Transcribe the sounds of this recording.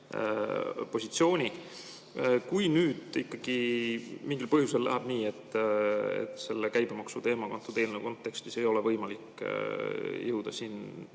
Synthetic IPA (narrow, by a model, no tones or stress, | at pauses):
po̞sʲit̪sio̞ːnʲi | kujnyːd̪̥ikːɑɡ̥imiŋɡilpɤhjuse̞llæ̰ɦæb̥niːe̞t̪ː | ḛt̪se̞lːekæjb̥e̞mɑksut̪e̞ːmɑkɑnt̪ːˑud̪e̞ːlneko̞nt̪ːe̞kst̪ise̞jo̞le̞vɤjmɑlikˑ | jɤwd̪̥ɑsiːn